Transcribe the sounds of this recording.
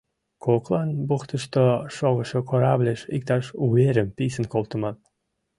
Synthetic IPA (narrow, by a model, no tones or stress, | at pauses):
kʰoklˠɑnbuxt̪ə̆ʃt̪oʃoɣə̆ʃokʰoɾablʲeʃḭk̚t̪ɑʃueɾəmpisə̆nkolˠt̪ə̆mɑn